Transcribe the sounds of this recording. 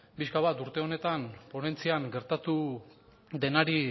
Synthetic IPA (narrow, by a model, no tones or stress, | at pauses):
piskaβat̪uɾt̪e̞o̞ne̞t̪anpo̞ne̞nt͡siaŋɡe̞ɾt̪at̪u | ðe̞naɾi